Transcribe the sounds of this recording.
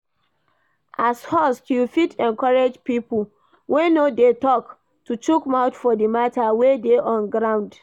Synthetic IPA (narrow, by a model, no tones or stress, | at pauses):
ʔashɔstjufitɛ̃nkɔɹed͡ʒpipu | wenodetɔk | tut͡ʃukmaʊtfɔdimatʰawedeʔɔ̃nɡɹãʊ̃nd